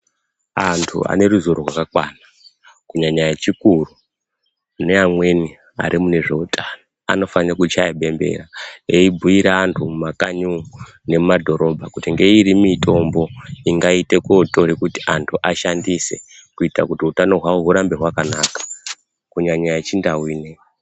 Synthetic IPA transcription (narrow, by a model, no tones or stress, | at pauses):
antʰṵa̰ne̞ruzuɾoɦwa̰kakwaːna | kuɲaɲajet͡ʃikuru | neamwe̞ni | a̰ɾimune̞ʐe̞utʰʼano | a̰no̞fanrakut͡ʃajeɓe̞mbe̞̰raeibʱuiɾaːntʰumumakaɲu | ne̞mumadʱo̞ɾo̞bʱakutiŋɡe̞iɾimito̞mbo̞iŋɡaite̞koto̞ɾekutiʔantʰuʔaʃandise̞̰kuitakutiutano̞ɦwauɦuɾambe̞ɦwakanaːkḁ | kuɲaɲaaet͡ʃindawiːne